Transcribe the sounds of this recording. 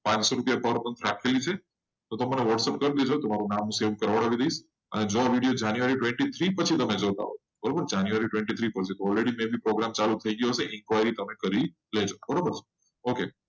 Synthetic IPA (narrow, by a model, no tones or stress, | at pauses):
pãt͡ʃsoɾupjapəɾmənt̪ʰɾakʰelit͡ʃʰe | t̪ot̪oməneʋəʈsep̚kəɾd̪ed͡ʒot̪omaɾunamːũseʋkəɾʋəɽ̃aʋid̪əiʃ | ə̰ned͡ʒoaʋiɽijod͡ʒanjuaɾiʈʋẽɳʈit̪ʰɾipət͡ʃʰit̪əmed͡ʒot̪a̰ɦo | bəɾobəɾd͡ʒanjuʋaɾiʈwʋẽɳʈit̪ʰɾipəɾt͡ʃʰit̪oɔlɾeɽimẽbʱipɾoɡɾamt͡ʃalut̪ʰəiɡəjoseʔɪnkʋajɾit̪əmekəɾi | led͡ʒobəɾobəɾt͡ʃʰ | oke